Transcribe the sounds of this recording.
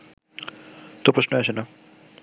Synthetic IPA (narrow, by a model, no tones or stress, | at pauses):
t̪opɾoʃnoaʃʰena